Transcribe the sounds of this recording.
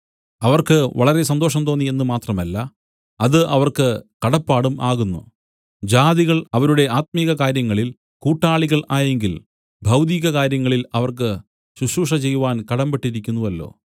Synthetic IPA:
ɐʋɐrkɨʋɐ̰ɭɐɾe̞sɐnd̪o̞ːʂɐmt̪oːnːie̞nːumaːt̪rɐmɐlːɐ | ɐðɨʔɐʋɐrkɨkɐɽɐpːaːɽumʔaːɣunːṵ | d͡ʑaːðiɣɐɭɐʋɐɾuɽe̞aːt̪̚miːɣɐkaːɾjɐŋːɐɭil | kuːʈːaːɭiɣɐɭaːje̞ŋɡil | bʱɐwd̪iːɣɐkaːɾjɐŋːɐɭilɐʋɐrk̬ɨ | ɕuɕuːʂɐt͡ɕe̞jːuʋaːnkɐɽɐmbeʈːiɾikʲːunːuʋɐlːo̞̰ː

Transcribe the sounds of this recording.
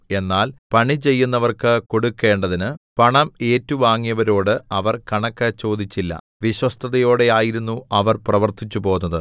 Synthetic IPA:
e̞nːaːlpɐɳit͡ɕe̞jːunːɐʋɐrkɨko̞ɽukːe̞ːɳɖɐðinɨpɐɳɐme̞ːtːɐuʋaːŋːijɐʋɐɾo̞ːɽɨɐʋɐrkɐɳɐkːɐt͡ɕo̞ːd̪it͡ɕːilːɐ̰ | ʋiɕwɐst̪ʰɐðɐjo̞ːɽe̞aːjiɾunːuɐʋɐrprɐʋɐrt̪it͡ɕːupo̞ːunːɐðɨ

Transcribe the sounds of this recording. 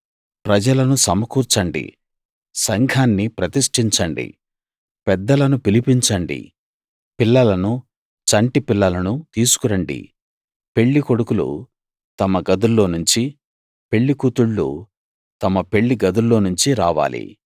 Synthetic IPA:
pɾɐd͡ʒɐlɐnusɐmɐkuːɾt͡ʃɐɳɖḭ | sɐŋɡʱaːnːipɾɐt̪iʂʈiɲt͡ʃɐɳɖḭ | pɛd̪ːɐlɐnupilipiɲt͡ʃɐɳɖḭ | pilːɐlɐnu | t͡ʃɐɳʈipilːɐlɐnut̪iːsu̥kuɾɐɳɖḭ | pe̞ɭːikoɽukulṵ | t̪ɐmɐɡɐd̪ulːo̞ːnuɲt͡ʃi | pe̞ɭːikut̪uɭːṵ | t̪ɐmɐpe̞ɭːiɡɐd̪ulːo̞ːnuɲt͡ʃiɾaːʋa̰ːlʔḭ

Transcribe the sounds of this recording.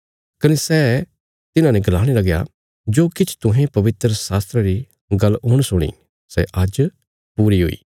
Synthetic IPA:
kɐnesɛː | t̪ɪnãːnẽɡɐlaːɽ̃elɐɡja̰ | d͡ʒoːkɪt͡ʃʰt̪ʊɦẽpɐʋɪt̪ɾəsaːst̪ɾəɾi | ɡɐlːɦoːɽ̃sʊɽ̃ḭː | sɛ̰ʔəd͡ʒ | puːɾiɦo̰ːḭː

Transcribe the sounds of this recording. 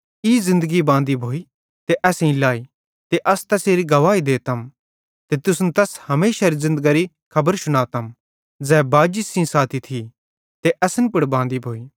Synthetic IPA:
iːzɪ̃nd̪əɡibãːnd̪ibʱoːi | t̪eʔɛːsĩlaːi | t̪eʔɐst̪ɛseːɾiɡɐʋaːid̪eːt̪ɐm | t̪et̪ʊsnt̪ɛshɐmeːʃaɾizɪ̃nd̪əɡaːɾi | kʰɐbəɾsʊɽ̃aːt̪ɐm | d͡zɛːbaːd͡ʒisĩsaːt̪ʰit̪ʰi | t̪eʔɐsənpʊɽbãːnd̪ibʱoːiː

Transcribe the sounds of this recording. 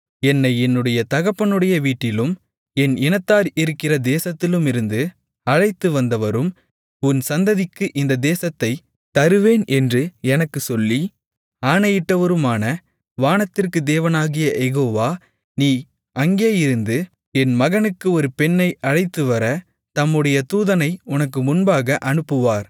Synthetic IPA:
ɛnːɐɪɛnːɯɽɐjɐt̪ɐɣɐpːɐnɯɽɐjɐʋiːʈːɪlɯm | ɛnɪnɐt̪ːaːɾɪɾɯkːɪrɐd̪eːsɐt̪ːɪlɯmɪɾɯnd̪ɯ | ɐɻɐɪt̪ːɯʋɐnd̪ɐʋɐɾɯm | ʊnsɐnd̪ɐðɪkːɯʔɪnd̪ɐd̪eːsɐt̪ːɐɪ | t̪ɐɾɯʋeːnʔɛndrɯɛnɐkːɯsɔlːi | aːnɐjɪʈːɐʋɐɾɯmaːnɐ | ʋaːnɐt̪ːɪrkɯd̪eːʋɐnaːɣɪjɐjɛɣoːʋaː | niː | ʔɐŋɡeːjɪɾɯnd̪ɯ | ɛnmɐɣɐnɯkːɯɔɾɯpɛnːɐɪʔɐɻɐɪt̪ːɯʋɐɾɐ | t̪ɐmːɯɽɐjɐt̪uːðɐnɐɪʊnɐk̬ːɯmʊnbaːɣɐʔɐnɯpːɯʋaːɾ

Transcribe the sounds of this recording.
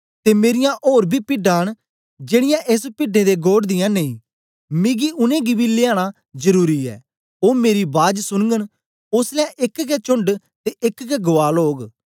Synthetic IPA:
t̪eːmeːɾɪjãʔoːɾbʱiːpɪɖaːɽ̃ | d͡ʒeːɽɪjãːʔeːspɪɖẽd̪eːɡoːɽd̪ɪjãːneːĩː | mĩːɡiʔʊnẽːɡibiːlɪaːɽ̃a | zəɾuːɾiːɛ̰ː | oːmeːɾibaːd͡ʒsʊnɡən | ʊslɛʔɪkɡɛːt͡ʃʊɳɖ | t̪eʔɪkɡɛɡʊʋaːloːɡ

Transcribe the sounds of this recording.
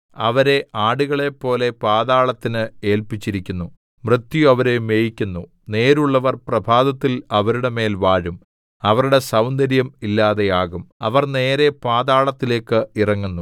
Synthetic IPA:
ɐʋɐɾe̞ʔaːɽuɣɐɭe̞pːo̞ːle̞paːðaːɭɐt̪ːinɨe̞ːlpit͡ɕːiɾikʲːunːu | mrɨt̪ːjɐʋɐɾe̞me̞ːjikʲːunːu | ne̞ːɾuɭːɐʋɐrprɐbʱaːðɐt̪ːilɐʋɐɾuɽe̞me̞ːlʋaːɻum | ɐʋɐɾuɽe̞sɐwnd̪ɐɾjɐmilːaːðe̞jaːɣumɐ̰ʋɐrne̞ːɾe̞paːðaːɭɐt̪ːile̞ːkːɨirɐŋːunːu

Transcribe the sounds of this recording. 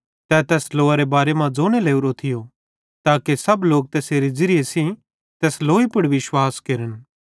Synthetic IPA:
t̪ɛt̪ɛːsloːaɾebaːɾemãd͡zoːñeleːuɾot̪ʰɪjo | t̪aːkesɐbloːk̚t̪ɛːseːɾid͡zɪɾɪesĩ | t̪ɛːsloːipʊɽʋɪʃwaːskeɾən

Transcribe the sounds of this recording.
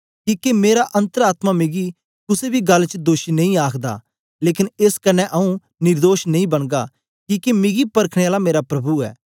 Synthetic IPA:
kiːkemeːɾaʔɐ̃nt̪əɾaːt̪mamɪɡi | kʊsebʱiɡɐlːt͡ʃd̪oːʃinɐ̃ĩaːkʰd̪a̰ | leːkɪneːskɐnɛʔɐũ | nɪɾd̪oːʃnɐĩbɐɽ̃ɡ̪a | kiːkemɪɡipɐɾkʰɽ̃eaːlameːɾapɾɐbuɛ̰ː

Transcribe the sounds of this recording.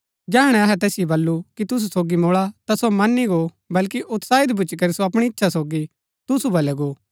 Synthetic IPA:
d͡ʒɛːɦɽ̃ɛɐɦɛt̪ɛːsɪjebɐlːukit̪ʊs̬usoːɡimoːɭat̪asomɐnːiɡo | bɐlkiʔʊt̪saːɪd̪bʊt͡ʃikɐɾisoɐpɽ̃iɪtːʃʰasoːɡi | t̪ʊsubɐlɛɡoː

